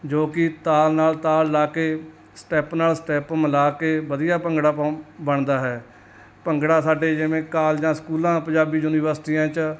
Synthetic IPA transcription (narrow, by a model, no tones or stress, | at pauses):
d͡ʒoːkɪt̪aːlnaːlt̪aːlːaːkeː | sʈɛːpnaːlsʈɛːpməlaːkeːʋəd̪ijaːpəŋɡɽaːbəɳd̪aːɦɛː | pəŋɡɽaːsaːɖeːd͡ʒɪʋẽːkaːld͡ʒãːskuːlãːpəd͡ʒaːbiːjuːnɪːʋəɾsʈiːãːt͡ʃ